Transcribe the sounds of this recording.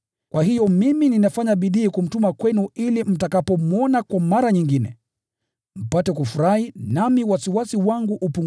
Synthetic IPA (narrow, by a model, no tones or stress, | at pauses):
kwʔahijɔmimininafaɲaɓiɗiːkum̩tumakwɛnuilim̩takapɔmuɔnakwamaɾaɲiŋɡinɛ̰ | m̩patɛkufuɾahinamiwasiwasiwaŋɡuʔupuŋ